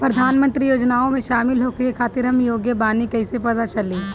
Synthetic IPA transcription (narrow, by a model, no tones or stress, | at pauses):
pɾɐd̪ʱaːnmə̃nt̪ɾijoːd͡ʒnaːõmẽʃaːmɪlɦoːkekʰaːt̪ɪɾɦɐmjoːɡjəbaːnikɐɪsepɐt̪at͡ʃɐleː